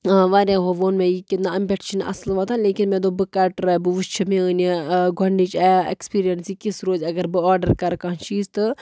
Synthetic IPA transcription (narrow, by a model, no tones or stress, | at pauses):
ʋaːɾʲaːɦoːʋoːnmẽjikit̪naɐmbʲeʈt͡ʃinʔɐ̰slʋaːt̪ʰaleːkinmẽd̪oːbɨkɐʈɾɐbɨʋust͡ʃʰɐmẽəniɡʱɐɳɖit͡ʃɛːḛkspiːɾijɐnsikisɾoːzʲɐɡɐɾbɨaːɾɖɐɾkɐɾkaːnt͡ʃiːzt̪ɨ